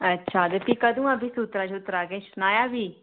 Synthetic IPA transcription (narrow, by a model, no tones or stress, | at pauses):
ətːʃʰaːd̪epiːkad̪ũãːbiːsuːt̪ɾaːt͡ʃuːt̪ɾaːɡeːʃʊnaːjaːbiː